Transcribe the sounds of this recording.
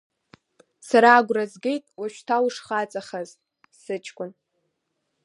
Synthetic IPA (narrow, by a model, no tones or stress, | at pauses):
saɾaːɡʷrazɡʲejtʼwaʃᶣtʰawʂχat͡sʼaχazʼ | sɨt͡ʃʼʰkʷʼʊn